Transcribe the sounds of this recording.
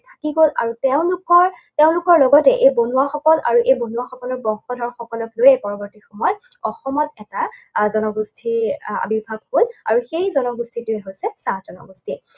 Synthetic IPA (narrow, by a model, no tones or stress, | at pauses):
tʰakiɡola̰ɹutɛʊ̃lukɔɹtɛʊ̃lukɔɹlɔɡɔtɛʔejbonuwaxɔkɔla̰ɹuʔejbonuaxɔkɔlɔɹbɔŋxɔdʱɔɹxɔkɔlɔklojɛpɔɹɔbɔɹtixɔmɔjɔ | ɔxɔmɔtɛtazɔnɔɡustʰia̰bibʱaɡholaɹuxejzɔnɔɡustʰituɛɦojsɛsaz̥ɔnɔ̰ɡustʰi